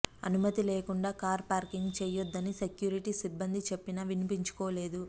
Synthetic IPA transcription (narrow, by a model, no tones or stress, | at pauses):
ɐ̰numɐt̪ileːkuɳɖaːkaːɾpaːɾkiŋɡt͡ʃɛːjod̪ːɐnise̞kjuːɾiʈisibːɐnd̪it͡ʃe̞pːinɐʋinipiɲt͡ʃu̥kɔːle̞ːd̪u